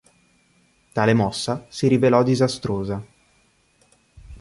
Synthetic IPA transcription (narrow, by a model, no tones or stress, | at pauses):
t̪aːlemɔsːasiɾivelɔd̪izast̪ɾoːza